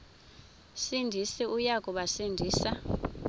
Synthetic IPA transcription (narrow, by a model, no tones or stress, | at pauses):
sindʱisiujakʼɔɓasindʱiːsa